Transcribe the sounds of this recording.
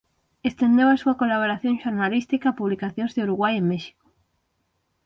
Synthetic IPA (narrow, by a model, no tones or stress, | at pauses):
est̪ẽnd̪ewasuakolaβ̞oɾaθjõŋʃoɾnalist̪ikaːpuβlikaθjõnzðeuɾuɣwajemeʃi̥ko̥